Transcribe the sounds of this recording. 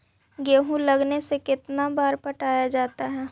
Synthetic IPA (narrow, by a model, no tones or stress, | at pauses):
ɡeːɦũlɐɡnesekɪt̪nabaːɾpəʈaːjad͡ʒaːt̪aɦɛː